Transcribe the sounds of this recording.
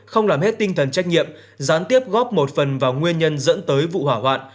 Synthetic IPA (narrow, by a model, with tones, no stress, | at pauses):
xə˧wŋ͡mlaː˨˩mhe˦˥t̚t̪ï˧ŋt̪ʰə˨˩nt͡ɕa˦˥k̟̚ɲḭ˧˨əm | zaː˨˦nt̪i˦˥əp̚ɣɔ˦˥p̚mo˨˩t̚fə˨˩nvaː˨˩wŋwi˧ənɲə˧nzə̰˧˥nt̪əː˨˦jvṵ˧˨hwaː˧˩ɦwa̰ː˧˨nʔ